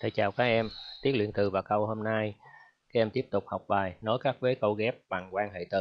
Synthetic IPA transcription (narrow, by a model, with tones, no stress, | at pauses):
t̪ʰəː˨˩t͡ɕaː˨˩wkaː˦˥k̚ʔɛ˧mt̪i˦˥ət̚wḭ˧˨ənt̪ɨ˨˩vaː˨˩wkə˧wɦo˧mna˧j | kaː˨˦˥ɛ˧mt̪i˦˥əp̚t̪ʊ˨˩k͡p̚hɔ˨˩wk͡p̚ɓaː˨˩jnɔ˨˦jkaː˦˥k̚veː˨˦kə˧wɣɛ˦˥p̚ɓa˨˩ŋkwaː˧nɦḛ˧˨t̪ɨ˨˩